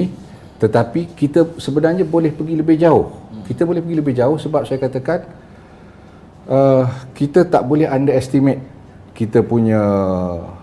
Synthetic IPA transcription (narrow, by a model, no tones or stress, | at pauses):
t̪ət̪apikit̪əsəbənarɲəbolɛhpəɡiləbɪhd͡ʒaʊhkit̪əbolɛhpəɡiləbɪhd͡ʒaʊhsəbap̚sajakat̪akan | ʔəkit̪ət̪a̰ʔbolɛɦandaɛst̪imɛt̪̚ | kit̪əpuɲə̃